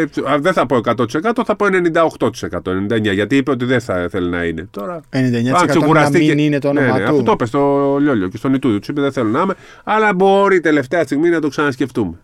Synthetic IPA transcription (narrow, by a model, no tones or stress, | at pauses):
ðeθɐpo̞ekɐt̪o̞t̪ise̞kɐt̪oθɐpoene̞nind̪ɐo̞xt̪o̞t̪ise̞kɐt̪o̞ennind̪ɐeɲɐʝɐt̪iipeo̞t̪iðeθɐθelonɐ̰ine̞t̪o̞ɾɐeneind̪ɐɲɐɐsekuɾɐst̪ieninet̪oneneɐfut̪opest̪o̞ʎo̞ʎoce̞st̪o̞nit̪uðot̪u̥sipeðeθelonɐime | ɐlɐbo̞ɾit̪e̞le̞ft̪e̞ɐst̪iɣminɐt̪o̞ksɐnɐsce̞ft̪ume